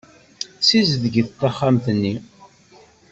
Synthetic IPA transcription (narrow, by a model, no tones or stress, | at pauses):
sizðɡit̪ːɑχːamθənːi